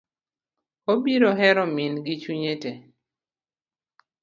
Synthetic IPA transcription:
obiɾoɦɛɾɔminɡit͡ʃuɲete

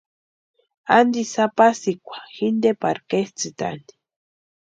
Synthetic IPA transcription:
and̪isapasikʷḁxind̪epaɾkest͡sɨt̪a̰nd̪i̥

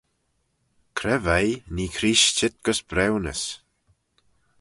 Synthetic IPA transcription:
kʰɾɛvajniːkʰɾiːʃt͡ʃɪt̪̚ɡ̥əsbɾɛwnə̰s

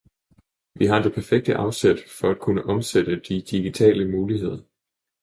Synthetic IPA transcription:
ʋiɦɑ̈d̥e̝pʰæɐfeɡ̥̚d̥əʔɑ̈ʊsed̥fɒ̽æd̥̚kʰunəʔɒ̽msed̥əd̥id̥iɡ̥it͡sʰɛ̰ːləmuːlihe̝ð̞̰ˠɐ

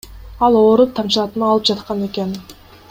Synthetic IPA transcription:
ɑlˠoːɾup̚t̪ʰɑmt͡ʃlˠɑt̪ɯnɑːlˠɯp̚d͡ʒɑt̪qɑne̞ke̞n

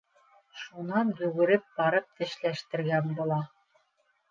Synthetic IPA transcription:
ʃunɑnd̪ʉɣɘ̆ɾɘp̚bɑɾɤp̚t̪ɘ̆ʃlæʃt̪ɘ̆ɾɡænbulˠɑ

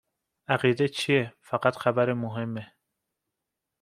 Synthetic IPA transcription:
æɣiːd̪et͡ʃʰijefæɡæt̪xæbæɾemoɦe̞mːe

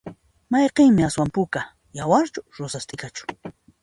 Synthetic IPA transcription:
mɑjqeŋmɪaswampʊka | jawaɾt͡ʃʊɾosast̪ɪkat͡ʃʊ̥

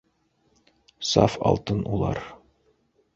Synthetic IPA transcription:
sɑ̰fɒ̰lˠt̪ɤnʔulˠɑ̰ɾ

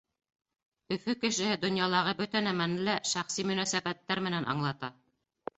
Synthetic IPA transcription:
ɵ̆fɵkɘ̆ʃɘ̆hɘd̪ŏnjɑlˠɑʁɤbɵt̪ænæmænlæʃæχsimɵ̆næsæbæt̪ːæɾmɘ̆nænʔɑ̰ɴlˠɑt̪ɑ

